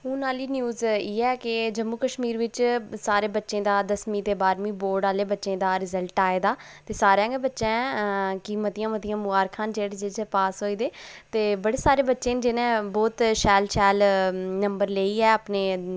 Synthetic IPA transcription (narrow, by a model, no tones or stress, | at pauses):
ɦũːnaːliːnjuːziːɛːkɪd͡ʒəmːuːkəʃmiːɾʋɪt͡ʃsaːɾeːbətːʃẽːd̪aːd̪əsmĩːt̪eːbaːɾmĩːboːɾɖaːleːbətːʃẽːd̪aːɾɪzəlʈaːeːd̪aːt̪eːsaːɾjãːɡebətːʃẽːkiːmət̪ijãːmət̪ijãːmʊaːɾkʰaːnd͡ʒeːɽed͡ʒɪd͡ʒepaːsɦoːiːd̪eːt̪eːbəɽeːsaːɾeːbətːʃẽːd͡ʒenẽːbɔːt̪ʃɛːlʃɛːlnəmbəɾleːiːɛːəpneː